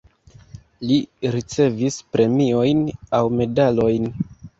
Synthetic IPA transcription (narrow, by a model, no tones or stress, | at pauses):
liɾit͡se̞vispɾʔe̞mio̞jnawme̞dalo̞jn